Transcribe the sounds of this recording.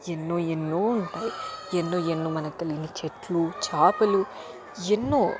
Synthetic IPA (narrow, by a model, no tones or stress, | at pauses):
enːoːenːoːuɳʈaːjienːoːenːoːmɐnɐkt̪ɐliɡinit͡ʃeʈlut͡ʃaːpɐlu | enːoː